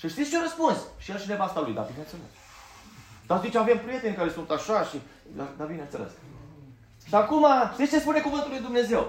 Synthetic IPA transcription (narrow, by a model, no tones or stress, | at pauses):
ʃɨʃt̪it̪st͡ʃeɾəspunsʃielt͡ʃine̞vast̪alṵjd̪a̰bineaselḛs | d̪̥aszit͡ʃavempɾije̞t̪e̞nʲkaɾe̞sunt̪aʃaʃi | d̪ad̪abineat̪selḛs | ʃiakumaʃt̪ist͡ʃe̞spune̞kuvɨnt̪ulujd̪umne̞ze̞w